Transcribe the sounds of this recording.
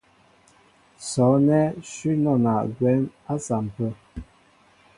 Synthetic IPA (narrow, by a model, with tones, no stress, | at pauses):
sɔ˨˦nɛ˦ʃi˦nɔ˦˨na˨ʔɡwɛ˨˦na˦sa˨m̩˨pə˦˨